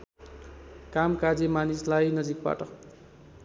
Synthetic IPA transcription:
kamkad͡zimanislajnʌd͡zikba̰ʈʌ

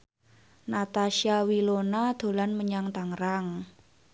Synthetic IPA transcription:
nat̪aʃiawilonad̪̥o̤lanməɲaŋt̪aŋɾaŋ

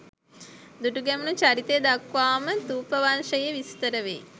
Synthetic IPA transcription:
d̪uʈuɡɛmunut͡ʃaɾit̪ejd̪akʋaːmət̪uːpəʋanʂəjəʋist̪əɾəʋḛː

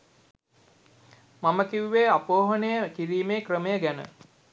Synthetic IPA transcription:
maməkiwuʋeːapoːɦənəjəkiɾiːmeːkrəməjəɡænə̰

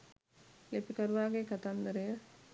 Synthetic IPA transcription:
lepikəɾuʋaːɡekat̪and̪əɾəjə

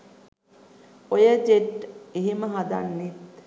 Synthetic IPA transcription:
ojəd͡ʒeʈiɦiməɦad̪a̰nːit̪

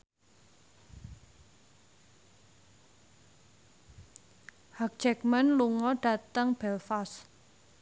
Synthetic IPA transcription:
hak̚d͡ʒɛkmanluŋɔɖ̥ä̤t̪əŋb̥ɛlfas

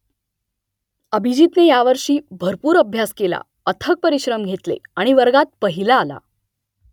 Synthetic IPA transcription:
əbʱid͡ʑiːt̪nejaʋəɾʂiːbʱəɾpuːɾəbʱjaskela̰ | ət̪ʰək̚pəɾiɕɾəmɡʱet̪lḛaɽ̃iʋəɾɡat̪̚pəɦilaːla̰

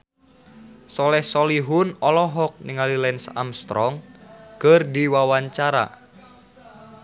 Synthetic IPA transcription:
sɔlɛhsɔliɦunɔlɔɦɔk̚niŋalilɛinsa̰mst̪ɾɔŋkɨrdiwawaɲt͡ʃaɾa̰

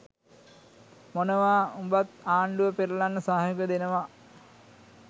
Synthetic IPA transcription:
monəʋaːumbat̪̚aːɳɖuʋəpeɾəlanːəsaːɦajɡəd̪enəʋa

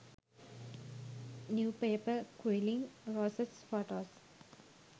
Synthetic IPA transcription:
njuːpeːpəkwilĩŋɾosesfoʈoːs

